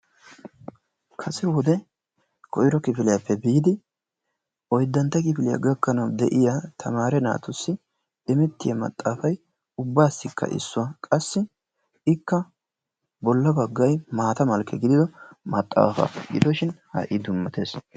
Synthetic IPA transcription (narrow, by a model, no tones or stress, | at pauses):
kʰɐsɛwɔd̪ɛ | kʰɔjɪɾɔkɪfɪlɪjapːɛbiːd̪ɪ | ʔɔjd̪ːɐnt̪ːɐkɪfɪlɪjɐ̰ɡɐkːɐnɐwd̪ɛʔɪjat̪ʰɐmaːɾɛna̰ːt̪ʊsːɪ | ɪmɛt̪ːɪjamɐ̰t̪ʼːaːfɐj | ʊbːaːsːɪkʰːɐ̰ʔɪ̰sːʊwɐkʼɐsːɪ | ɪkːɐ | bɔlːɐbɐɡːɐjmaːt̪ɐmɐlkʰːɛɡɪd̪ɪd̪ɔmɐt̪ʼːa̰ːfɐ̰ɡɪ̰d̪ɔʃɪnhɐ̰ʔɪd̪ʊmːɐt̪eːs